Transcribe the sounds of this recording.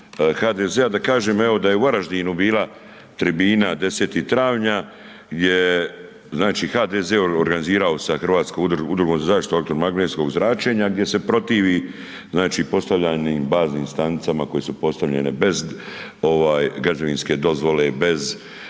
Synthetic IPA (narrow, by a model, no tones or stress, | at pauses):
xaːd̪ezead̪akaːʒe̞ːmeo̞d̪aje̞uaɾaʒd̪inubiːla | t̪ɾibiːnad̪e̞seːt̪it̪ɾaːʋɲa | ɡd̪je | znaːt͡ʃixaːd̪ezeoɾɡaniziːɾao̞saxr̩ʋaːt̪skoud̪ud̪ɾuɡo̞mzazaːʃt̪i̥t̪ok̚t̪oɾmaɡneːt̪sko̞ɡzɾaːt͡ʃe̞ɲaɡ̚d̪je̞se̞pɾo̞t̪iːʋi | znaːt͡ʃipo̞st̪aʋʎaniːmbaːzniːmst̪anit̪samako̞je̞supo̞st̪aʋʎe̞̰nebe̞z | o̞ʋaːjɡɾad͡ʒaʋinske̞d̪o̞zʋo̞le̞be̞z